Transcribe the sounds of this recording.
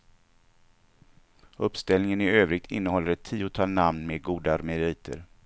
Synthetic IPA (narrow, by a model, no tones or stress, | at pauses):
ɵpst̪ɛlnɪŋənɪøːvɾɪɡ̚t̪ʰɪ̰nːəhɔlːəɾɛt̪ʰːiːʊt̪ʰɑːlnamnmeɡuːd̪aaɾmɛɾiːt̪ʰə̰ɾ